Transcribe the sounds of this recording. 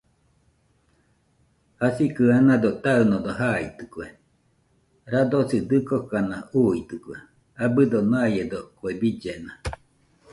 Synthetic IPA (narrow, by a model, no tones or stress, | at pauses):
hasikɨanad̪ot̪aɯnod̪oɦait̪ɯ̥kwe | ɾad̪osid̪ɨkokanauit̪ɨkwe | abɨd̪onajed̪okwebid͡ʒena